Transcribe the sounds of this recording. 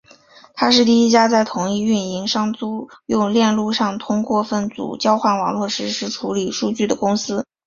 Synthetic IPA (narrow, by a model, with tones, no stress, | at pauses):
t̪ʰa˥ʂɻ̩˥˧t̪i˥˧i˥t͡ɕja˥t͡sa˥˩ɪt̪ʰʊ˨˩ŋi˥˧y˥˩ni˧˥ŋʂɑ˥ŋt͡su˥jʊ˥˧ŋljɛ˥˧nlu˥˧ʂɑ˥˩ŋt̪ʰʊ˥ŋkwɔ˥˧fə˥˩nt͡sṵ˨˩t͡ɕjɑ˥ʊxwa˥˩nwɑ˨˩ŋlwɔ˥˩ʂɻ̩˧˥ʂɻ̩˥˩ʈ͡ʂʰu˧˥li˨˩ʂu˥˧t͡ɕy˥˩d̪ə˩kʊ˥ŋsɹ̩˥